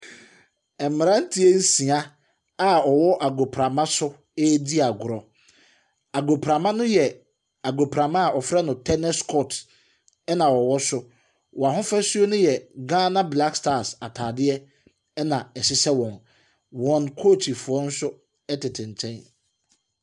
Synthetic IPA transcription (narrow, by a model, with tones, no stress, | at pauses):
ɛ˨m̩mːɪ̃˨ɾã˦n̩˦tʰi˦ɛ˦n̩˦sĩ˨a˦ | a˦˨ɔ˨wɔ˦ʔa˨ɡo˨pʰɾa˨mã˦sʊ˦ | e˦di˦a˨ɡʊ˨ɾɔ˨ | a˨ɡo˨pʰɾã˨mã˦nʊ̃˦jɛ˨ | a˨ɡo˨pʰɾã˨mã˦a˨ɔ˨fɾɛ˦nʊ̃˨tʰɛ˦nɛ˦skʰɔ˦˨t | ɛ˦nã˨wɔ˨wɔ˦sʊ˦ | wɔ˨a˨ɦʊ̃˦fɾɛ˦su˦o˦nʊ̃˦jɛ˨ɡãː˦nã˦bla˦kstaː˦˨sa˨tʰaː˨dɪ˦ɛ˦ | ɛ˦nã˨ɛ˨sɪ˦sɛ˦wɔ̃˨n | wɔ̃˨nkʰo˦˨tʰi˨fʊ˨ɔ˦n̩˦sʊ˦ | ɛ˦tʰɪ˨tʰɪ̃˨n˨t͡ɕʰɛ̃˦n